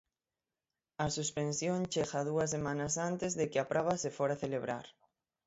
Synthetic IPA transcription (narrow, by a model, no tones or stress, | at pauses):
ɐsuspensjõŋt͡ʃeɣaðuɐsːemãnɐsant̪ɪzðekɪapɾʔaβ̞asefoɾaθeleβɾa̰ɾ